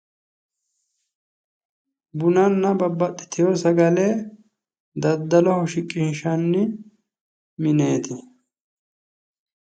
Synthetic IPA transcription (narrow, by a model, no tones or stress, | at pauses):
bʊnɐnːɐbɐbːɐɗɪ̥t̪ɪjɔsɐɡɐle | d̪ɐd̪ːɐlɔhɔʃɪkʼːɪnʃɐnːɪ | mɪne̞ːt̪ɪ